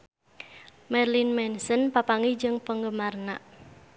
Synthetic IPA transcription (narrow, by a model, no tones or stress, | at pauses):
mɛrlinmɛnsənpapaŋid͡ʒɨŋpəŋɡəmarnaʔ